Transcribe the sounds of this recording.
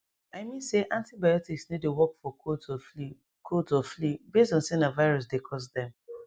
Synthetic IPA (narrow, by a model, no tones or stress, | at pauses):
aɪmĩnseʔãntibaɪɔtiksnidewɔkfɔofi | kʰodsɔflibesdɔ̃nsĩnavaɪɹɔs̬dekʰɔs̬dɛ̃m